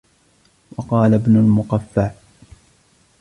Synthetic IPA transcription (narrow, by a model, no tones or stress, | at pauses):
wɑqɑːlabnʊlmʊqafːaʕ